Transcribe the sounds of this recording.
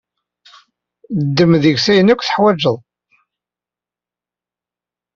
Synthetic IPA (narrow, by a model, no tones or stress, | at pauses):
d̪ːəmðəʝsæjənækʷːθə̥ħwæd͡ʒəðˤ